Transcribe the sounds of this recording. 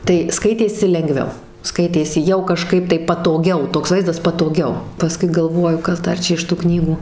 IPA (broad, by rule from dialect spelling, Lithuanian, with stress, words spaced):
tɐɪ ˈskɐɪtʲeːsʲɪ lʲɛŋˈɡʋʲɛʊ ˈskɐɪtʲeːsʲɪ jɛʊ kɐˈʃkɐɪp tɐɪ pɐtoːˈɡʲɛʊ ˈtoːks ˈʋɐɪzdɐs pɐtoːˈɡʲɛʊ pɐˈskʊɪ ɡɐlˠˈʋoːjʊ ˈkɐs ˈdɐr ˈt͡ʃʲɛ ɪʃ tʊ ˈknʲiːɡuː